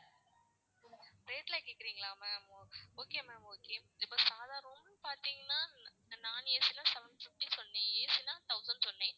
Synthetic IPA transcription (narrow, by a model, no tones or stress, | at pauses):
ɾeːʈɪlaːkeːkːɪɾiːŋɡɐɭaːmɛːmooːkeːmɛ̃ːmoːkeːɪpːoːsaːðaːɾɔmpaːɾt̪iːŋɡɐnːaː | naːneːsɪlãːsɛʋɛnɖfɪfʈːisɔnːẽːeːsɪlãːt̪ɐʊsɐnɖsɔnːẽː